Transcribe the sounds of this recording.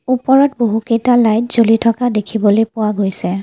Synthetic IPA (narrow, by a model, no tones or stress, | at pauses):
upɔɹɔtboɦukejtalajtz̥olitʰɔkadekʰibɔlojpʊwaɡojsɛ